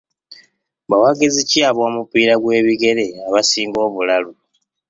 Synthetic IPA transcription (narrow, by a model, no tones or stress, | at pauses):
βawaɡeziciaβo̞ːmupiːɾaɡwe̞ːβiɡe̞ɾe̞aβasiːŋɡo̞ːβulalu